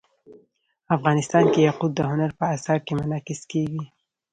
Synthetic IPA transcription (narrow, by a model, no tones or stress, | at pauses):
afɣɑnɪst̪ɑnkejaqud̪̚əɦʊnaɾpəasɑɾ̚kemʊnɑqɪskeɡi